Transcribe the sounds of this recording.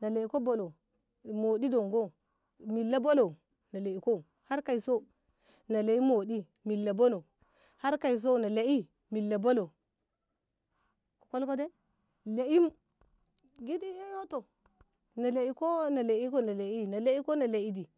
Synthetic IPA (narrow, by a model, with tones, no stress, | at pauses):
na˨le˨i˨˦ko˦bo˨lo˨ | mo˨di˦do˨ŋɡo˦ | mi˨lːa˦bo˦lo˨ | na˨le˨i˨ko˦ | ha˦ɾka˨i˨so˦ | na˨le˨i˦mo˨di˦ | mi˨lːa˨bo˦lo˨ | ha˦ɾka˨i˨s̬o˦na˨le˨i˦ | mi˨lːa˨bo˦lo˨ | ko̥˨ko˦lko˦de˦ | le˨i˦m | ɡi˦di˦e˦jo˦to˨ | na˨le˨i˦ko˦na˨le˨i˦ko˦na˨le˨i˦na˨le˦i˦ko˦na˨le˨i˦di˨